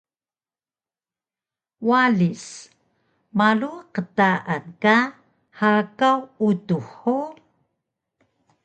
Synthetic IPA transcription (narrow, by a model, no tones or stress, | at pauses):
walis | maluqətaʔanka | hakawutuħu